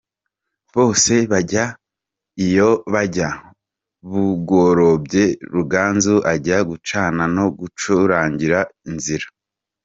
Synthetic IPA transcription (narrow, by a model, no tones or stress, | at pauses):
βo̞ːse̞βaɟa | ijo̞βaɟa | βuɡoɾo̞bɟe̞ɾuɡaːnzuʔaɟaɡut͡ʃaːnano̞ɡut͡ʃuɾaːɲɟiɾainziɾa